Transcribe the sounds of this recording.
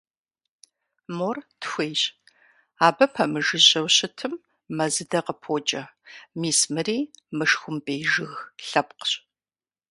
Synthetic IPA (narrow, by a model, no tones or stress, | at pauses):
mortxʷeːɕ | aːbɐpʰɐmɨʒɨʑʼɐwɕɪtʰɨmː | ɐzɨdɐqəpʰoːt͡ʃʼɐmiːsmɨriːmɨʃxʷʊmbʼeːjʒɨɣɬɐp̚qəɕʼ